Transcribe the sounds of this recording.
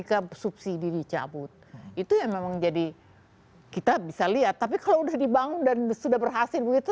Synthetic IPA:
ikasup̚sididit͡ʃa̰bʊt̪̚it̪ujaŋmemaŋd͡ʒadi | kit̪abisaliat̪ːapikaloudahdibaŋʊndansudahbərɦasɪlbəɡit̪u

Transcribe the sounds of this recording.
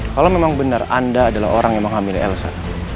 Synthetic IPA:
kalawmemaŋbənara̰ndaːdala̰oɾaŋjaməŋɦamilɛ̰lsa̰

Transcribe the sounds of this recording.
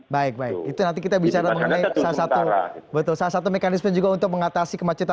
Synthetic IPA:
baɪk̚baɪk̚it̪unant̪ikit̪abit͡ʃaɾaməŋənaisalasat̪ubət̪ʊlsalasat̪umekanɪsməd͡ʒuɡaunt̪ʊk̚məŋat̪asikəmat͡ʃut̪a

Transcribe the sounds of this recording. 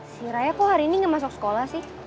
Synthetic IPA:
siɾajakuhaɾiːniŋɡamas̬ʊk̚sə̥kolahsɪh

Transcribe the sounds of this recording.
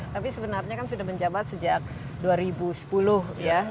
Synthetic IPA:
t̪apisəbənarɲakansudahməɲd͡ʒabat̪̚səd͡ʒak̚ | duaɾibusə̥pulʊhja

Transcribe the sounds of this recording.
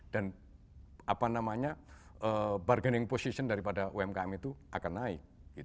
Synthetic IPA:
d̥an | apanamaɲaəbarɡənɪŋposisəndaɾipadaʔuɛmkaɛmit̪uʔakanːaɪk̚ɡ̥it̪

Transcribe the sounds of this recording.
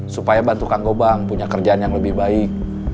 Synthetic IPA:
supajabant̪ukaŋɡobaŋpuɲakərd͡ʒaːnjaŋləbɪhbaɪk̚

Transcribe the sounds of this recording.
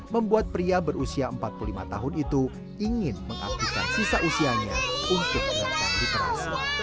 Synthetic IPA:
məmbuat̪̚pɾiabərusiaəmpat̪̚pululima̰t̪aɦʊnit̪u | iŋɪnməŋa̰k̚t̪ika̰nsisaʔusiaɲa̰unt̪ʊk̚maka̰ndit̪əɾa̰s

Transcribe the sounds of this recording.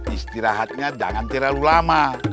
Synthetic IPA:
ist̪iɾaɦat̪̚ɲad͡ʒa̰ŋant̪ɛɾalulama

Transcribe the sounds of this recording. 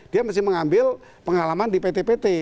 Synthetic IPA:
d̥iamast̪ɪhməŋambɪl | pəŋalamandipet̪epet̪e

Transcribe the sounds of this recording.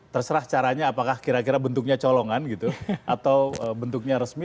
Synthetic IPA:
t̪ərsəɾaht͡ʃaɾaɲaːpakahkiɾakiɾabənt̪ʊk̚ɲat͡ʃoloŋanɡit̪uʔat̪awəbənt̪uk̚ɲaɾəsmi

